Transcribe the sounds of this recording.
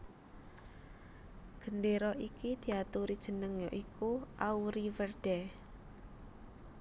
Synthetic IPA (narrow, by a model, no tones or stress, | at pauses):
ɡ̥əndeɾɔʔikid̪̥i̤at̪uɾid̥ʒ̥ə̤nəŋjɔʔikuʔauɾiwərd̥ɛ